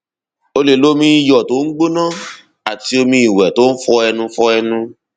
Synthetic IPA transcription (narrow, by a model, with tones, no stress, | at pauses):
o˧le˨lo˦mĩ˧˦i˧jɔ˨to˨˦ŋ̩˦ɡ͡bo˦nãː˦ | a˨ti˧o˧mĩ˧i˨wɛ˨to˨˦n̩˦fɔ˧ɛ˧nũ˧fɔ˧ɛ˧nũ˧